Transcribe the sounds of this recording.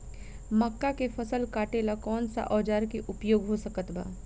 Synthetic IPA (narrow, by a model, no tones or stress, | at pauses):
məkːakefʰɐsəlkaːʈelakɔːnsa̰ʔɔːd͡ʒaːɾkeʔʊpjoːɡɦosɐkət̪ba̰ː